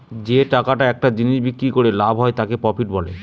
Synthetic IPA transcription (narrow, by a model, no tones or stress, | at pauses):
d͡ʑeʈakaʈaɛk̚ʈad͡ʑiniʃbikːɾikoɾelabʱɦɔet̪akepɔpʰiʈbɔlḛ